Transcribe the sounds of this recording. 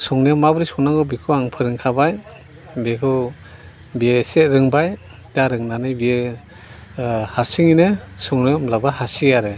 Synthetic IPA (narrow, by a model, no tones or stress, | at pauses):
sɔŋnɯmabɯɾisɔŋnaŋɡɯbikʰɯaŋpʰɯɾɯŋkʰabaj | bekʰɯ | bieset̚ɾɯŋbaj | taɾɯŋnanɯbie | haɾsiŋinɯsɔŋnɯmlabahasiaɾɯ